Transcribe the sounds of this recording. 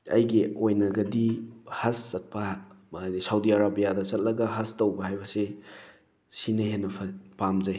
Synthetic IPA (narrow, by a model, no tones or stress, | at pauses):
ɐ̰jɡiojnɐɡɐdihɐsːɐt̚pɐnisawdiaɾabijadɐt͡ʃɐt̚lɐɡɐɦɐstɐwbɐɦajbɐse | sinɐɦenːɐpʰɐpamzɐj